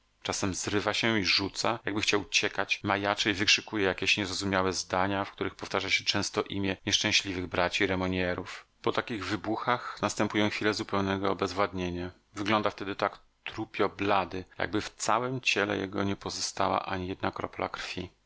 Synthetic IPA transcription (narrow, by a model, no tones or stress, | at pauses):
t͡ʂasɛmzɾɘvaɕɛiʐut̪sajaɡ̚bɘxt͡ɕawt͡ɕɛkat͡ɕmajat͡ʂɛivɘkʂɘkujɛjakʲeɕɲɛzɾɔzumʲjawɛzd̪aɲafkt̪uɾɘxpɔft̪aʐaɕɛt͡ʂɛ̃w̃st̪ɔʔimʲjɛɲɛʂt͡ʂɛ̃ɕlʲivɘɣbɾat͡ɕiɾɛmɔɲɛɾufpɔt̪akʲiɣvɘbuxaxnast̪ɛmpujɔ̃xfʲilɛzupɛwnɛɡɔbɛzvwad̪ɲeɲa | vɘɡlɔnd̪aft̪ɛd̪ɘt̪ak | t̪ɾupʲjɔblad̪ɘja̰ɡ̚bɘft̪sawɛmt͡ɕɛlɛ̰jɛ̰ɡɔ̰ɲɛpɔzɔst̪a̰wa̰ʔaɲijɛd̪nakɾɔ̰pla̰kɾfʲi